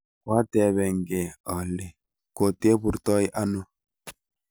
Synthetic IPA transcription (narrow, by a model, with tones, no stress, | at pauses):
kwa˦tɛ˨βɛ˨ŋɡɛ˨ɔ˨lɛ˨ | ko˨te˦bu˨ɾtɔ˦i˦ʔa˦nu˦